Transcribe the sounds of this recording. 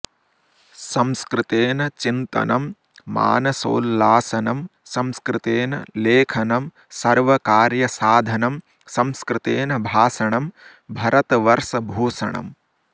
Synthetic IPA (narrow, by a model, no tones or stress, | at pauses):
sɐmskɾɪt̪eːnɐt͡ʃint̪ɐ̰nɐmː | a̰ːnɐso̰ːlːaːsɐnɐmsɐmskɾɪt̪eːnɐ̰leːkʰɐnɐm | sɐɾʋɐkaːɾjɐsaːd̪ʱɐnɐm | sɐmskɾɪt̪eːnɐbʱaːsɐɳɐm | bʱɐɾɐt̪ɐʋɐɾsɐbʱuːsɐ̰ɳɐ̰m